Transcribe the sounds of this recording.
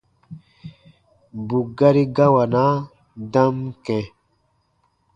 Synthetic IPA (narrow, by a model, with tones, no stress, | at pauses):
bu˨ɡa˦ɾi˦ɡa˦wa˨na˦ | dã˦mkɛ̃˨